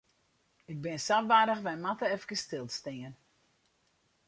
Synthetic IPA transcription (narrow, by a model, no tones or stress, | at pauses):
ɪk̚bɪnsafʋaːdəxʋɛjmatəɛfkəstɪlˠtstɪən